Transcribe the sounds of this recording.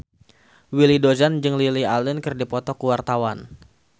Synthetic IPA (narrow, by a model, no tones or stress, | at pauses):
wilidozand͡ʒɨŋlilialɪnkɨrdipɔt̪ɔkəwart̪awan